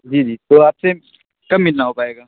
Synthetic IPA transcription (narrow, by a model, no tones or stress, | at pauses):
d͡ʒiːd͡ʒiːt̪oaːpse | kɐmːɪlnaɦoːpaːeːɡaː